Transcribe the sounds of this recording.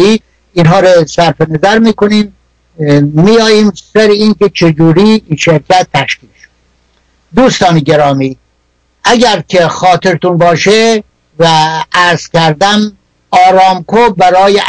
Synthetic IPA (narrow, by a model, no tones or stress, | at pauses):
iː | inɦɒːɾosæɾfenæzæɾmiːkoniːm | mijɒːjiːmsæɾeiːnke̞t͡ʃʰed͡ʒuːɾiːinʃeɾkʰæt̪ʰːæʃkiːlʃo | d̪uːst̪ɒːneɟeɾɒːmiː | ʔæɟæɾkʰexɒːt̪ʰeɾt̪unbɒːʃe | vææɾz̥kʲæɾd̪æm | ɒːɾɒːmkʰobæɾɒːje